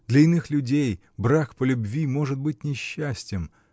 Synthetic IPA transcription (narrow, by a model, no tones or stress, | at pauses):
d̪lʲɐɪnɨxlʲʊdʲej | bɾakpəlʲʊbvʲimo̞ʐɨt̪̚bɨt̚ʲnʲɪɕːæsʲtʲɪm